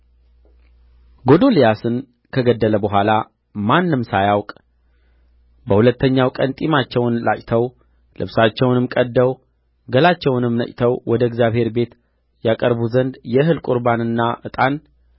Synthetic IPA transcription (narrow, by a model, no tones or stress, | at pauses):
ɡo̞d̪o̞lijasɨn | kʰəɡəd̪ːələbəɦʷala | manːɨmsajawkʼ | bəhulət̪ːəɲːawkʼənt̪ʼimat͡ʃːɛwnlat͡ʃʼt̪ʰəw | lɨ̰βsat͡ʃːɛwnɨmkʼəd̪ːəw | ɡəlat͡ʃːɛwnɨmnə̰t͡ʃʼt̪ʰəwwɔd̪əɡzjaβhe̞ɾbe̞t̪ | jakʼəɾbuzənd̪jɛɦɨlkʼuɾbanɨnːaʔɨt̪ʼan